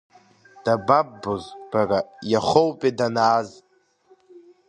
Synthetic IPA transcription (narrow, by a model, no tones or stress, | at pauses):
d̥ababːozb̥arajaχowpʼedanaːz